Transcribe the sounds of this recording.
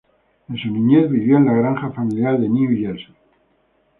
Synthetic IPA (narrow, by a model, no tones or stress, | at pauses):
ensunĩɲeθβiβjoenlaɣɾaŋxafamiljaɾðeniuiʝelso